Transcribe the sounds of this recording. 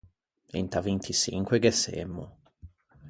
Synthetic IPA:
ḭnt̪avint̪ʰisḭŋkweɡesḛmːʊ̰

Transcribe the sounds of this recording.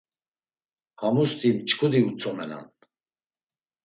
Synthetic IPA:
hamust̪ʰʼimt͡ʃʰʼkʰud̪iut͡sʰʼɔmɛna̰n

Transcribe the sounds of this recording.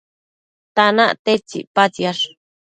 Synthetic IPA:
t̪anaʔt̪et͡ʃḭpat͡sjaʂ

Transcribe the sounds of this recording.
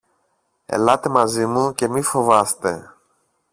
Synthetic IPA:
ḛlɐt̪e̞mɐzimuce̞mifo̞vɐst̪e̞

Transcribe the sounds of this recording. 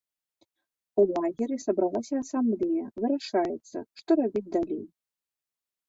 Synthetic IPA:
ulˠaɣʲiɾisɐbɾalˠasʲɐːsamblʲejɐvɨɾaʂajɛt̪sːɐ̰ʂt̪ɔɾabʲid͡zʲd̪alʲḛj

